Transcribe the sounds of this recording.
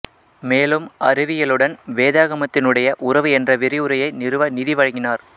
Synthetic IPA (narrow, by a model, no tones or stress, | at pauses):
meːlɯmɐɾɯʋɪjɐlɯɽɐnʋeːðaːɣɐmɐt̪ːɪnɯɽɐjɐʔʊrɐʋɯɛndrɐʋɪɾɪɯɾɐjɐɪnɪɾɯʋɐnɪðɪʋɐɻɐŋɡɪnaːɾ